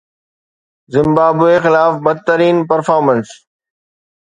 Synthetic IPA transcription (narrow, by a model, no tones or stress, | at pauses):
zɪ̃mbaːbuexɪlaːfbɐd̪̚t̪əɾiːnpəɾfaːɾməns